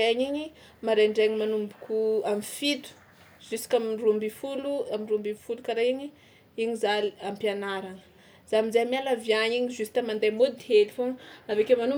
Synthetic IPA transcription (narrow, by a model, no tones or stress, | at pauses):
eɲiɲi | maɾeɳɖ͡ʐeɲimanumbukʲuamifid̪u̥ | z̥usi̥kamirumbifuluamirumbiifulukaɾaiɲi | iɲizaliampianaɾaŋə̥ | z̥amizaamalavjaɲiɲizust̪amand̪ajmod̪ihelifoŋavekemanu